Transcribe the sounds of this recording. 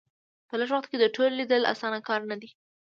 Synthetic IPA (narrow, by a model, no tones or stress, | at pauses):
pəlaʂwaxt̪ked̪əʈolːid̪əlʔa̰sɑnakɑɾnad̪i